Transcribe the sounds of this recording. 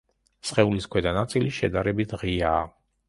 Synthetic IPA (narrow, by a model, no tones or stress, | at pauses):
sχɛuliskʰwɛd̪anat̪sʼiliʃɛd̪aɾɛbit̪ʰʁiaː